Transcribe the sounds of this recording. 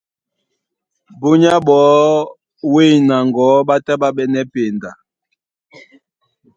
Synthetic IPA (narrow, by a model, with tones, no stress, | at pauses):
bo˦ɲa˦ɓɔː˨˦ | we˦˨na˨ŋɡɔ˨˦ɓa˦tɛ˦ɓa˦ɓɛ˦nɛ˦pe˨nda˨